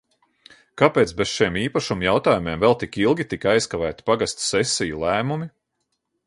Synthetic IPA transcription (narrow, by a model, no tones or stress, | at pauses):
kapeːt̪sbesʃiɛmiːpaʃumujawt̪aːjumeɛmvɛlˠt̪ikilˠɡʲit̪ikajskavæːt̪i̥paɡast̪sɛsijulˠæːmumi